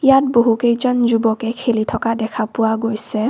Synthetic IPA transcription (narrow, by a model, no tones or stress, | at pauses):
ijat̚boɦukejzɔnzubɔkɛkʰelitʰɔkadɛkʰapʊwaɡojsɛ